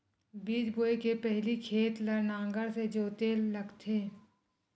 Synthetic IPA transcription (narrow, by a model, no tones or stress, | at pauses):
biːd͡ʒ̪boːekepɛɦlikʰeːt̪lɐɾnãːŋɡəɾsed͡ʒoːt̪elːɐɡt̪ʰeː